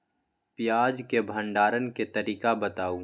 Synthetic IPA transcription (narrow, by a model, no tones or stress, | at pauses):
pɪjaːd͡ʒkebʱə̃ɳɖaːɾənket̪ɐɾiːkabət̪aːuː